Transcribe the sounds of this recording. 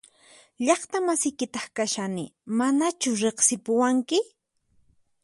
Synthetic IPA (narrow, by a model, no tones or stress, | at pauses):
ʎɑχt̪amasɪjkɪt̪ɑχkaʃanɪmanat͡ʃʊɾeχsɪpʊwaŋkɪ